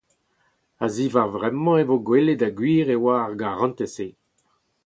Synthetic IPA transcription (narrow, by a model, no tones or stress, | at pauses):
aziːvaʁvʁɛmɑ̃evoɡweledaɡwiːʁewaːʁɡaʁɑ̃nt̪ese